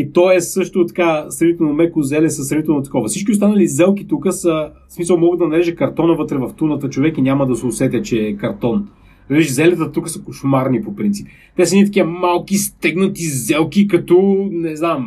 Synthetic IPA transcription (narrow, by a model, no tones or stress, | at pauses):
it̪ɔɛsɤʃt̪ʊt̪ɐ̥kasɾɾvit̪ɛlˠnomɛkʊzɛlɛsɐsɾɛvit̪ɛlˠnot̪ɐ̥kɔvəsit͡ʃkʲiʊst̪anəlizɛlˠkit̪ukəsə | smisəlˠmɔɡəd̪ɐnɐɾɛʒɛkɐɾt̪ɔnəvɤt̪ɾɛvɐft̪unət̪ət͡ʃovɛkinʲaməd̪ɐsɛʊsɛt̪ɛt͡ʃɛːkɐɾt̪ɔn | nɐɾɛʒizɛlɛt̪ət̪ukəsɐ̥kʊʃmaɾnipopɾint̪sip | t̪ɛsəɛnit̪ɐkiəmalˠkist̪ɛɡnɐt̪izɛlˠkikɐt̪ɔnɛznam